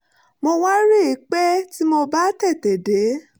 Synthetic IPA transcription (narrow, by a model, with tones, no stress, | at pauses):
mo˧wa˦ɾe˦˨i˨˦k͡pɛ˦ti˦mo˧ba˦tɛ˦˨tɛ˨de˨˦